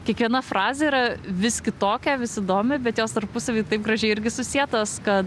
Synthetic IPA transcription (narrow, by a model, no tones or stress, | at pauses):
kʲiɛkʋʲiɛnɐfrɑːzʲeiːɾɐʋʲɪsʲkʲɪt̪oːkʲɛʋʲɪsɪd̪oːmʲɪbʲɛt̪joːst̪ɐɾpʊsɐʋʲiːt̪ɐɪp̚ɡɾɐʒʲɛɪɪɾʲɡʲɪsʊsʲiɛt̪oːskɐt